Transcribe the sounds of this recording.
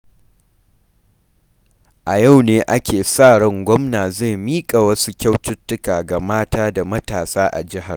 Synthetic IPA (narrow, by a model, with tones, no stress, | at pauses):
ʔa˨ja˦˨wneː˦ʔa˦kʲʰeː˨saː˦˨ɽɐ˦ŋɡʷɔ˦mnaː˨za˦˨jmiː˦kʼa˨wɐ˦su˦kʲa˦wtʊ˦tːʊ˦kaː˨ɡa˨maː˦taː˦da˨mɐ˦taː˨saː˦ʔa̰˨d͡ʒɪ˦ɦa˨r